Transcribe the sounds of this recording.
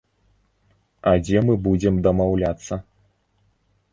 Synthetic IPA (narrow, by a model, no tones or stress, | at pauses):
ɐd͡zʲɛmɨbud͡zʲɛmd̪ɐmawlʲat̪sːɐ